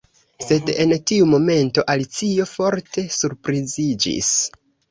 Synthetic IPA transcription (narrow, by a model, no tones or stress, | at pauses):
se̞de̞ntiumo̞me̞nto̞ʔalit͡sio̞fo̞ɾtʰe̞suɾpɾizid͡ʒḭs